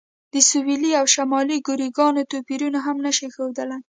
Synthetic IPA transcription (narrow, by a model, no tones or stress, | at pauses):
d̪əsuwiliawʃamɑliɡʊɾiɡɑnot̪opiɾunaɦamnaʃixewd̪əla